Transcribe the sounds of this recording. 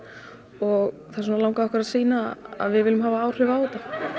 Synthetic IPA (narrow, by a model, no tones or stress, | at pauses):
ɔɣ | θasɔnalawŋkaɔhkvɾaðsiːnaa̰ðvɪðvɪːlʏmɦaːvaaːwr̥ʏvaːwɔt̪a